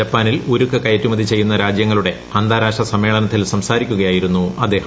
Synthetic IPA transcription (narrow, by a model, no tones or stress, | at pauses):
ɐpːaːniluɾukːɐkɐjɐtːumɐðit͡ɕe̞jːunːɐɾaːd͡ʑjɐŋːɐɭuɽe̞ | ɐnd̪aːɾaːʂɐsɐmːe̞ːɭɐnɐt̪ːilsɐmsaːɾikʲːuɣɐjaːjiɾunːuɐd̪e̞ːhɐ